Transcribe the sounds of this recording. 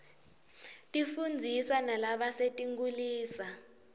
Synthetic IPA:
tʼifund͡zʱisanalaɓasetʼiŋɡuliːsa

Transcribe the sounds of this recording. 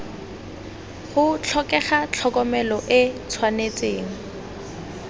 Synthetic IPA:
χʊt͡ɬʰɔkɛχat͡ɬʰɔkɔmɛlɔʔɪt͡sʰwanet͡sʼeːŋ̩

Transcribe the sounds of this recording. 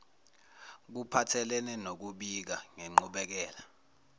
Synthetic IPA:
k̬upʰatʰɛlɛnɛnok̬uɓik̬aŋeŋ͡ǃuɓɛk̬ɛːla

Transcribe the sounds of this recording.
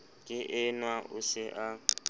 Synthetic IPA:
kʼɪʔɪnwaʔʊsɪʔa

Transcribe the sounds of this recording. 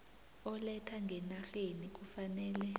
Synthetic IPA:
ɔlɛtʰaŋɡʱɛnaɬenik̬ufanɛːlɛ

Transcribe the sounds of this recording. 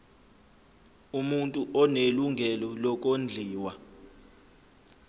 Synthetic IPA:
umuntʼuʔɔneluŋʱɛlɔlɔk̬ʼond͡ɮʱiːwa

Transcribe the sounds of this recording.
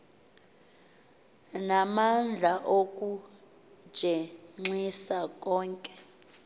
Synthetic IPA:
namand͡ɮʱaʔokʼu̥ | ʒ̥ʱɛŋ͡ǀisakʼɔːŋkʼɛ̥

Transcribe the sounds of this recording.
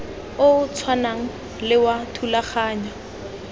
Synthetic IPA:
ʊt͡sʰwanaŋ̩ | lɪwatʰulaχaːɲwa

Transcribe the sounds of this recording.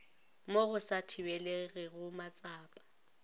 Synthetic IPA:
moɣʊsatʰɪwɛleɣɪɣʊmat͡sʼaːpʼḁ

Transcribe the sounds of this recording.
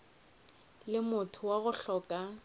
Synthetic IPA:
lɪmʊtʰʊwaɣʊɬɔkʼa

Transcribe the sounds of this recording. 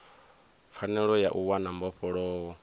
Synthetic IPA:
fʰanɛɺɔjaʔuwanambɔɸʰɔɺɔ

